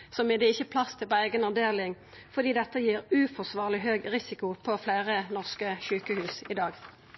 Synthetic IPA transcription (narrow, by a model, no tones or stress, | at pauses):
sɔmɛd̪ɛɪçːəpʰlɑst̪ʰɪlpɔæɪɡənɑʋd̪eːlɪŋ | fɔʁd̪iːd̪ɛt̪ːəjiːʁʉːfɔsʋɑːʁlɪɦøːɡʁɪsɪkʊpʰɔflæːʁənɔʁskəçʉːkəhʉːsɪd̪ɑːɡ